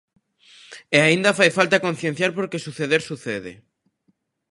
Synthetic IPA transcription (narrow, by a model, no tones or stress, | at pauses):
eaĩnd̪afajfalt̪akon̟θjẽn̟θjaɾpoɾkesuθeðeɾsuθeðɪ̰